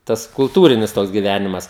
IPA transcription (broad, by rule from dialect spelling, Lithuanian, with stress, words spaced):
ˈtɐs kʊlˠˈtuːrʲɪnʲɪs ˈtoːks ɡʲɪˈʋʲænʲɪmɐs